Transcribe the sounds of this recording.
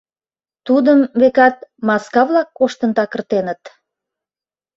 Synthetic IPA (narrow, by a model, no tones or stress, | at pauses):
t̪ud̪əmβekɑt̪̚mɑskɑβlɑkːoʃt̪ənt̪ɑkərt̪enət̪